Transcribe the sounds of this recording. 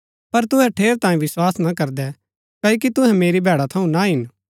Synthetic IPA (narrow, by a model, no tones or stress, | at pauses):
pɐɾt̪ʊɦɛ̃ʈʰeːɾt̪ãːĩʋɪswaːsnakɐɾd̪ɛ | kɐːok̬it̪ʊɦɛ̃meːɾibʱɛːɽat̪ʰɐũnaɦɪn